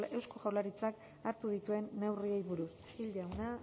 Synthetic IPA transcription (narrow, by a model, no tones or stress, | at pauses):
e̞wskoʝawlaɾit͡sak | aɾt̪uðit̪ue̞nːe̞wriejβuɾus | ild̪awna